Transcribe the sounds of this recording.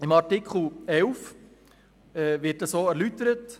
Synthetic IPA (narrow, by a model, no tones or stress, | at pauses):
ɪmɑɾtikχl̩ɛʊf | ɛːʋɪtəsoːæɾlytəɾət